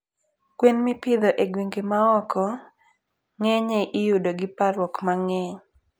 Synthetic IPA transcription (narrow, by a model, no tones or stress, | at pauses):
kwenmɪpɪd̪ɔʔeɡweŋɡemaɔkʰɔ | ŋɛɲeʔɪjudoɡɪpaɾwɔkmaŋɛɲ